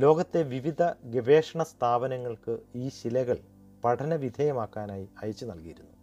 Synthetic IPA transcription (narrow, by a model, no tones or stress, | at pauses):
lo̞ːɡɐt̪ːe̞ʋiʋid̪ʱɐɡeʋeːʂɐɳɐst̪ʰaːbɐnɐŋːɐɭkɨiːɕilɐɣɐɭ | pɐʈʰɐnɐʋid̪ʱɐjɐmaːkːaːnaːjiɐjɐt͡ɕːunɐlkijiɾunːu